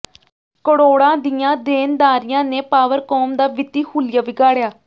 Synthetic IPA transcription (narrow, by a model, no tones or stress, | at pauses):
kəɽoːɽãːd̪ɪjãːd̪eːnd̪aːɾɪjãːneːpaːʋəɾkɔːmd̪aːʋɪt̪iːhʰuːlɪjaːʋɪɡaːɽjaː